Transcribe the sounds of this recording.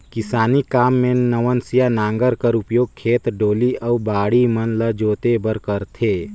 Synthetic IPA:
kɪsaːnikaːmːẽnəʋənsijanãːŋɡəɾkəɾʊpjoːɡ̚kʰeːt̪ɖoːliɐubaːɽimənləd͡ʒoːt̪ebəɾkəɾt̪ʰeː

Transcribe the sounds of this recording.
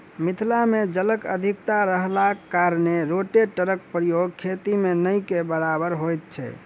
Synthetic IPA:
mit̪ʰlamed͡ʒələkə̰d̪ʱikt̪aɾəɦlakaɾneɾoʈeʈəɾək̚pɾijoɡ̚kʰet̪imenəjkebəɾabəɾɦojt̪̚t͡ʃʰɛ̰

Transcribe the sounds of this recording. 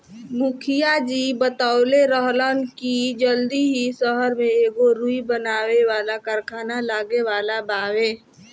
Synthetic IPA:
mʊkʰɪjad͡ʒiːbət̪aːʊleɾəɦlənkid͡ʒəld̪iɦisəɦəɾmẽeːɡoɾuibənaːweʋaːlakəɾkʰaːnalaːɡeʋaːlabaːweː

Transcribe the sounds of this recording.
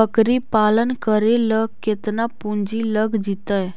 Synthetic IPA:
əkɾiːpalənkəɾeləket̪napuɲd͡ʑiːləɡʱd͡ʑit̪əj

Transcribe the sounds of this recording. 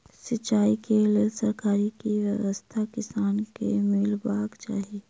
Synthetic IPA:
sɪt͡ʃːaːikelesəɾkaːɾikiʋjəʋəst̪ʰakɪsaːnkḛmɪlbaːkt͡ʃa̰ːɦieː

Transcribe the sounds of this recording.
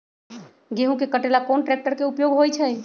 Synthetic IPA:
ɡeɦũkekəʈelakonʈɾɛk̚ʈəɾkeupjoɡɦojt͡ʃʰɛ

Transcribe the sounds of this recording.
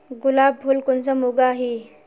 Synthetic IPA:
ɡulabːʱulkont͡səmuɡaaɦi

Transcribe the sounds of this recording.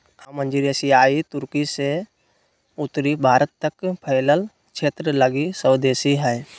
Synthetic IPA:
amə̃nd͡ʒiɾesiaːit̪ʊɾkise | ʊt̪ɾibʱaːɾət̪ːəkpʰəːləl | kt͡ʃʰeːt̪ɾələɡisəd̪eːsiɦɛː

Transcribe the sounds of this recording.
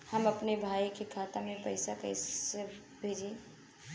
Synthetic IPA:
həmɐpnebʱaːikekʰaːt̪amẽpɐɪsakɐɪse | bʱeːd͡ʒẽ

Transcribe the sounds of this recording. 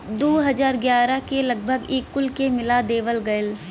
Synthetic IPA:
d̪oːɦɐzaːɾɡjaːɾakelɐɡbʱəɡeːkːʊlkemɪlad̪eːʋəlɡɐl

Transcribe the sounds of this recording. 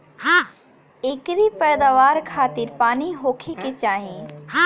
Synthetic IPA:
ɦa | ekɾipɛːd̪aːʋaːɾkʰaːt̪ɪɾpaːniɦoːkʰiket͡ʃaːɦĩ

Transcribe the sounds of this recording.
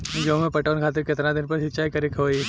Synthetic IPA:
d͡ʒoːmẽpɐʈoːnkʰaːt̪̬ɪɾkɪt̪nad̪ɪnpɐɾʃɪtːt͡ʃʰaːikɐɾɪkɦoːi

